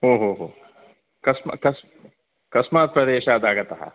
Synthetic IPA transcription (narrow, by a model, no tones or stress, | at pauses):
ɦoːɦoːɦoː | kɐsmakɐs | kɐsmaːt̪̚pɾɐd̪eːʃaːd̪aːɡɐt̪ɐɦa̰